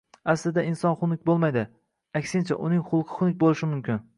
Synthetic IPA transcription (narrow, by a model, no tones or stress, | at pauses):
aslɪd̪aɪnsɒnχʊnɪkʲbolˠmajd̪ɪ | akʲsɪnt͡ʃʰa̰ʔʊnɪŋχʊlˠqʰɨ̥χʊnɪkʲbolˠɪʃɪmʊmkʲɪn